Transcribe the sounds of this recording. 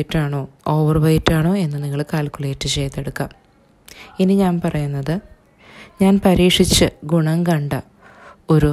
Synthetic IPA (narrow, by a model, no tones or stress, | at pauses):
tːaːɳoːoːʋɐrʋɐjitːaːɳoːe̞nːɨniŋːɐɭkaːlkuleːtːɨt͡ɕe̞jt̪ːeɽukːaːm | iniɲaːnpɐrɐjunːɐðɨ | ɲaːnpɐɾiːʂit͡ɕːɨɡuɳɐŋkɐɳɖɨ | o̞ɾu